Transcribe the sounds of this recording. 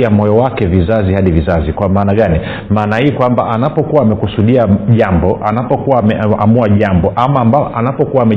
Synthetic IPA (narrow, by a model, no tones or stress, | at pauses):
amɔjɔwakɛvizazihaɗivizazikwamaːnaɠani | maːnahiːkwambaʔanapɔkuwaːmɛkusuɗiaʄambɔʔanapɔkuwamɛamuaʄambɔʔamamaʔanapɔkuwaːmɛ